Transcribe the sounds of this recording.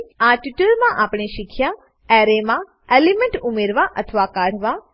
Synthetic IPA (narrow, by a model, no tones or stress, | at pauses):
aʈuʈəlmãʔapɳeʃikʰja | ɛɾemã | elimẽɳʈumeɾʋaʔə̰t̪ʰəʋakaɽ̤ʋa